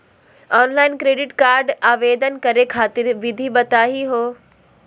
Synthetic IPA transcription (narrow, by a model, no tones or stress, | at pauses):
ɔːnlaːɪnkɾeːɖɪʈkaːɾɖaːʋeːd̪ʱənkɐɾekʰaːt̪ɪɾʋɪd̪ʱibɐt̪aːɦiɦoː